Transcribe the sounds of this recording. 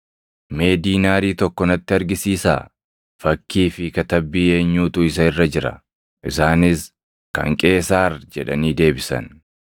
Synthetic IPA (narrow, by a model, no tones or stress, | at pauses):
me̞ːd̪iːnaːɾiːt̪ɔkːɔnɐt̪ːɪɐɾɡɪsiːsa̰ː | fɐkːiːfɪkɐt̪ɐbːiːe̞ːɲːuːt̪ʊɪsɐɪrːɐd͡ʒɪɾɐ̰ | ʔɪsaːnɪs | kɐ̰ŋkʼe̞ːsaːrd͡ʒɛᶑɐ̰niːd̪e̞ːbɪsɐ̰n